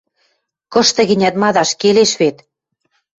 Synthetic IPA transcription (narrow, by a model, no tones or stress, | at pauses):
kɤ̆ʃt̪ɤ̆ɣɘ̆nʲæt̪mɑðɑʃkeleʃβet̪